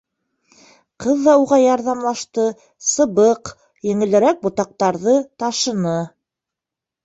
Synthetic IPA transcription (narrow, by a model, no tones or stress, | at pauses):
qɤðːɑuʁɑjɑɾðɑmlˠɑʃt̪ɤ | sɤ̆βɤq | jɘ̆ŋɘ̆lɘ̆ɾæk̚bŏt̪ɑq̚t̪ɑɾðɤt̪ɑʃɤ̆nɤ